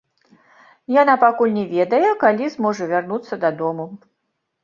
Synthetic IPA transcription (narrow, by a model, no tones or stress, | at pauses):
janapakulʲnʲɛvʲɛd̪ɐjɛkalʲizmɔʐɐvʲarnut̪sːɐd̪ad̪ɔmu